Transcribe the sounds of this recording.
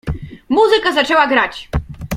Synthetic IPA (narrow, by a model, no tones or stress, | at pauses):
muzɘkazat͡ʂɛwaɡɾat͡ɕ